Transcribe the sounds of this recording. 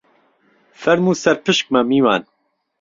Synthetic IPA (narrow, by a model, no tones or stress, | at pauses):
fɛɾmuːsɛɾpɨʃk̚mɐmiːwaːn